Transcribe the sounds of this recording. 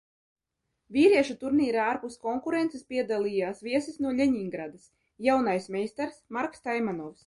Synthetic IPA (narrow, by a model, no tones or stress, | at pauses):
vʲiːɾiɛʃut̪uɾniːɾaaːɾpuskɔŋkuɾent̪sɛspʲiɛd̪alˠijaːsvʲiɛsisnuɔlʲeɲiŋɡɾad̪as | jawnajsmʲɛjst̪ɛɾsmaɾkst̪ajmanɔws